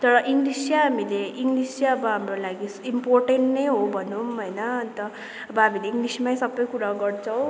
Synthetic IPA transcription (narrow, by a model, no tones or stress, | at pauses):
t̪ʌɾʌʔiŋɡlisjaɦamileiŋɡlisjaʌbʌɦamrolaɡisimporʈeɳʈnʌjɦobʱʌnumɦojnʌːnt̪ʌ | ʌbʌɦamileiŋɡlismajsʌbːʌjkuɾaɡʌrt͡sʰʌw̃